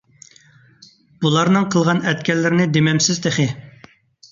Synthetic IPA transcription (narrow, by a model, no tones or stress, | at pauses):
b̥ulˠɑɾnɨŋqʰəlˠʁɑnɛt̪̚kʲɛlːɪɾɪnɪd̪emɛmsɪzd̪eχɪ